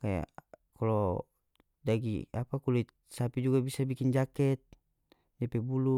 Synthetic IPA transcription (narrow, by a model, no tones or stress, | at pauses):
kaja̰kalɔ | daɡḭapakuli | sapid͡ʒuɡabisabikind͡ʒakɛt̪̚ | d͡ʒapɛbulu